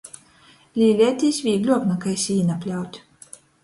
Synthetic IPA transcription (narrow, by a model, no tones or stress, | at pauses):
lʲiːlʲɛɛt̪ʲiːsʲvʲiːɡlʲuɔpnakajsʲiːnapʲlʲawt̪ʲ